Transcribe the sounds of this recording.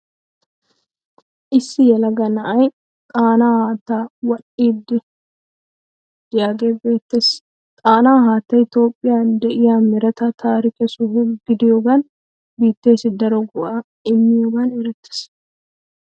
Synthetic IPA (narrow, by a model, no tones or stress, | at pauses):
ʔɪsːɪjɛlɐɡɐnɐʔɐj | t̪ʼaːnaːhaːt̪ːaːwɐɗiːd̪ːɪ | dɪjaːɡeːbe̞ːt̪ːeːs | t̪ʼaːnaːɦaːt̪ːɐjt̪o̞ːpʼːɪjaːnd̪ɛʔɪjamɪɾɐt̪ɐt̪ʰaːɾɪkɛsʊhʊɡɪd̪ɪjoːɡɐn | biːt̪ːe̞ːsɪd̪ɐɾɔɡʊʔa | ɪmːɪjoɡɐnɛɾɛt̪ːɪ̥s